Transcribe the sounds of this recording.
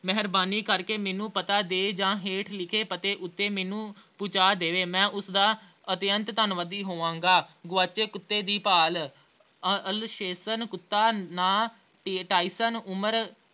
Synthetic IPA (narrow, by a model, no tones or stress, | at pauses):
mɛɦɾbaːniːkəɾkeːmɛːnũːpət̪aːd̪eːd͡ʒãːɦeːʈʰlɪkʰeːpət̪eːʔʊt̪ːeːmɛːnũːpʊt͡ʃaːd̪eːʋeːmɛ̃ːʔʊsd̪aː | ət̪ɪjənt̪t̪ənʋəd̪iːɦoːʋãːŋɡaːɡʊʋaːt͡ʃeːkʊt̪ːeːd̪iːpaːl | əlʃeːsənkʊt̪ːaːnãː | ʈʈaːisənʊməɾ